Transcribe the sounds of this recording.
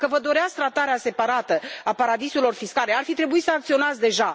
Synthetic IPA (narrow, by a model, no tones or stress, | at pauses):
kəvəd̪o̞ɾeat̪sk̚t̪ɾat̪aɾease̞paɾat̪əapaɾad̪iselo̞rfiskale̞arfit̪ɾe̞buisəak̚t̪sio̞nat̪sd̪e̞ʒa